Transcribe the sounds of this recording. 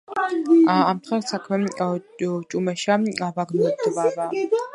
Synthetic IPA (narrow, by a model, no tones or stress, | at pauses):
amt̪ʰχɛɾsakʰmɛ | t͡ʃʼumɛʃaavaɡnɔɛb̚d̪vava